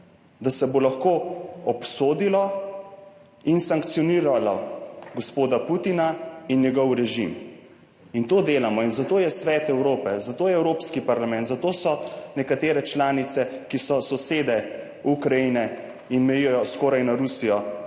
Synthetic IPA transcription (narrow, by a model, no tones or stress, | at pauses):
d̪asɛbolaxkoːɔpsoːd̪ilɔ | insaŋkt̪siɔniːɾalaɡɔspoːd̪aput̪inainjɛɡɔwɾɛʒim | int̪oːd̪eːlamɔinzat̪oːjɛsʋɛːt̪ɛwɾoːpɛzat̪oːjɛɛwɾoːpskipaɾlamɛ̃nt̪zat̪oːsɔnɛkat̪eːɾɛt͡ʃlaːnit̪sɛkisɔsɔseːd̪ɛ | ukɾajinɛ | inmɛjijɔjɔskɔːɾajnaɾusijɔ